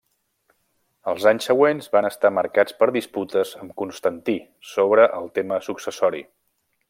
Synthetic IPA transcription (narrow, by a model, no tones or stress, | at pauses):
əlˠzaɲsəɣwenzβanəst̪aməɾkat͡spəɾðisput̪əzəmkunst̪ənt̪i | soβɾəʔəlˠt̪eməsuksəsɔɾḭ